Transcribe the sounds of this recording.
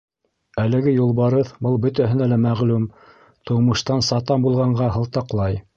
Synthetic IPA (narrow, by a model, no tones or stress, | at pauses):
ælɘ̆ɡɘjulˠβɑɾɤðbɤlˠbɵ̆t̪æɦɘ̆nælæmæʁlʉm | t̪ŏwmɤ̆ʃt̪ɑnsɑt̪ɑmbulˠʁɑɴɢɑɦɤ̆lˠt̪ɑqlˠɑj